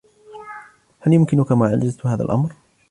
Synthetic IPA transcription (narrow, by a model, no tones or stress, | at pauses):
haljʊmkɪnʊkamaːʕalːazt̪haːða̰lʔa̰mɾ